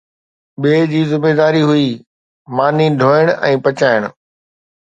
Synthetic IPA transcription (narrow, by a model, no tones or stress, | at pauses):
ɓeːd͡ʑiːzɪmeːd̪aːɾiɦʊiː | maːniɖʱoːɪɽ̃ʔɛ̃ːpɐt͡ɕaːɪɽ̃ʊ